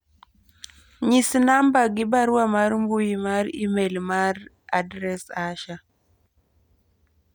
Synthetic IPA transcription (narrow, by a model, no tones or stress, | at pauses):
ɲisnambaɡibaɾuwamaɾmbujimaɾḭmelmaɾ | adɾɛsaʃa